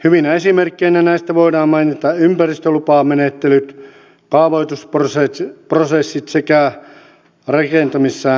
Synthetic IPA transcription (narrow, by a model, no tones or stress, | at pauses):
hyʋinæesimerkːˑeinænæist̪æʋoidɑːmmɑinit̪ɑympærist̪ølupɑːmenet̪ːelyt̪ | kɑːʋoit̪usproseprosesːit̪sekæ | rɑkent̪ɑmisːæː